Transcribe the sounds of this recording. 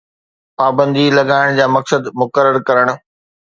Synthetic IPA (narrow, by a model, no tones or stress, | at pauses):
paːbə̃nd̪ilɐɠaːɪɽ̃d͡ʑaːmɐksəd̪mʊkəɾəɾkɐɾəɽ̃ʊ̆